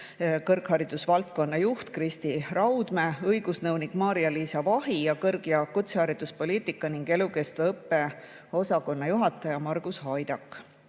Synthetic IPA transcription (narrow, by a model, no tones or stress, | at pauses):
kɤrkhɑɾid̪̥usvɑlt̪̚ko̞nːɑjuht̪krist̪irɑwd̪̥me̞ɤjɡ̥usnɤwnikmɑːɾiɑliːsɑvɑɦijɑkɤrɡjɑkut̪sehɑɾid̪̥uspo̞liːt̪ˑikːˑɑniŋɡ̥e̞luke̞st̪vɤpːe̞ | o̞sɑko̞nːɑjuɦɑt̪ːˑɑjɑmɑrɡ̥ushɑjd̪̥ɑkːˑ